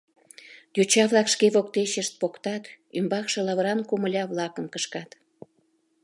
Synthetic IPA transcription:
jut͡ɕɑβlɑkʃkeβok̚t̪eɕəʃt̪̚pokt̪ɑt̪ymbɑkʃelɑβɾɑnkuməlʲɑβlɑkə̆mkəʃkɑt̪

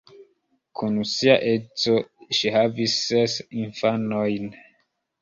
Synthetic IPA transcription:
kʰunusiaʔet͡soʃihavisːesinfanojn

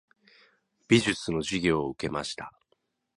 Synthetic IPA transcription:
b̥ʲiʑɨt͡sɨno̞ʑiɡʲo̞ːɯke̞ma̰ɕi̥t̪a

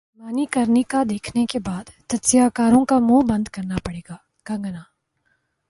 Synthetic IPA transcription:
maːnikɐɾnikad̪eːkʰnekebaːd̪t̪ɐt̪zɪjakaːɾõkamũːbɐ̃nd̪kɐɾnapɐɽeːɡaː | ɡ̥ɐ̃ŋɡnaː

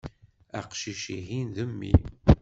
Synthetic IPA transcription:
æqʃiʃiɦinðəmːḭ

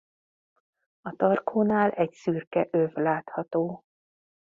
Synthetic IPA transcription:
ɒt̪ɒrkʰoːnaːlʔɛcsyrkɛʔøvlaːt̪hɒt̪oː

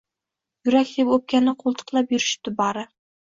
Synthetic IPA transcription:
jʊɾakʲd̪epop̚kʲanɪqʰolˠt̪ʰɨ̥qlˠapjʊɾɪʃt̪ɪbɑɾɪ

